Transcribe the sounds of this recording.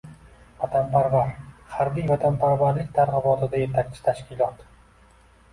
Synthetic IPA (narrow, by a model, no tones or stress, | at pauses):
vat̪ʰanpʰaɾvaɾχaɾbijvat̪ʰanpʰaɾvaɾlɪk̚ʲt̪ʰaɾʁɨbɒt̪ʰɪd̪aje̞t̪ʰak̚ʲt͡ʃʰɪ̥t̪ʰaʃkʲɪlˠɒt̪